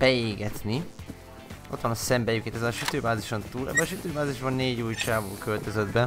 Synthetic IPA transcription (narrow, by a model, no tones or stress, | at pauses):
b̥ɛeːɡɛt̪ni | ʔo̞t̪ʋɒnɒsɛmbɛjykeːt̪ɛzɛlʃyt̪øːbaːziʃont̪uːlʔɛ̰bːɛɒʃyt̪øːbaːziʒbɒnːeːɟuːjt͡ʃaːvo̰ːkølt̪øzɛd̪bɛ